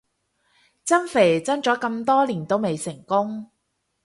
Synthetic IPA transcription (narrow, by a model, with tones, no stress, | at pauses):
t͡sɐ˥nfe˨˩t͡sɐ˥nt͡ʃɔː˨˥kɐ˧mt̪ɔː˥liː˨˩nt̪o˥wme˨jsɪ˨˩ŋkʊ˥ŋ